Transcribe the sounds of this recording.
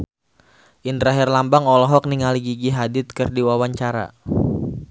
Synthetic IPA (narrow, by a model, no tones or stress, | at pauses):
ʔint̪əɾaɦɪrlambaŋɔlɔɦɔk̚niŋaliɡiɡiɦadɪt̪̚kərdiwawaɲt͡ʃaɾa̰